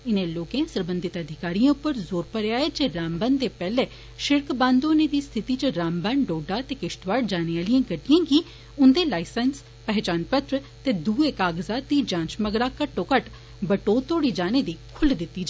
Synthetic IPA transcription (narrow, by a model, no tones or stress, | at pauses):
ɪnẽːloːkẽːsəɾbənd̪ɪt̪əd̪ʱɪkaːɾiːãːʊpːəɾzoːɾpəɾeaːɛːd͡ʒeːɾaːmbəːnd̪eːpɛːleː | ʃɪɾkbãːnd̪oːnẽːd̪iːst̪ʰɪt̪iːt͡ʃəɾaːmbaːnɖoːɖaːt̪eːkɪʃt̪ʋaːɖd͡ʒaːneːaːlijãːɡəɖɪjãːɡiː | ʊnd̪eːlaːɪsəns | pɛɦt͡ʃaːnpət̪ɾ | t̪eːd̪uːeːkaːɡzaːd̪iːd͡ʒãːt͡ʃməɡɾaːkəʈːoːkəʈ | bəʈoːt̪oːɽiːd͡ʒaːneːd̪iːkʰʊld̪ɪt̪ːiːd͡ʒa